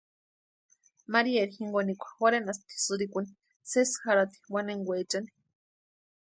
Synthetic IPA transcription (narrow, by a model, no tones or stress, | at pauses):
maɾieɾxiŋɡonikʷḁxoɾenast̪i̥sɨɾikuni̥ | sesxaɾat̪i̥waneŋɡʷet͡ʃani̥